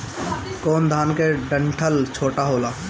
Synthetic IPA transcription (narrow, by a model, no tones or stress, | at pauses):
koːnd̪ʱaːnkeɖə̃ɳʈʰəlt͡ʃʰoːʈaɦoːlaː